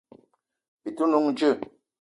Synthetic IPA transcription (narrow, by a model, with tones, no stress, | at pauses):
i˨tu˦nu˦ŋd͡ʒə˦˨